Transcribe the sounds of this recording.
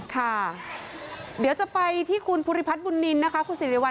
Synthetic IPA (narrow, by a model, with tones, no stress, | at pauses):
kʰa˥˩ | di˨˩˦wt͡ɕa˨˩pa˧jt̪ʰiː˥˩kʰu˧npʰuː˧ɾi˦˧pʰa˦˥t̪̚bu˧nːi˧nːa˦˥kʰa˦˥kʰu˧nsi˨˩˦ɾi˨˦wa˧